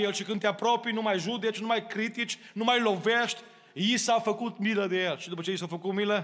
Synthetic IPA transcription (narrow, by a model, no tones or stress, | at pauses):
elʃikɐ̃nt̪apɾɔpɾjunũmajʒʒud̪et̪ʃnũmajʃkɾit̪itʃnũmajʒlovɛʃt̪ | iisafɐkut̪milˠɐðelˠʃd̪poʃɐisafɐkumilˠɐ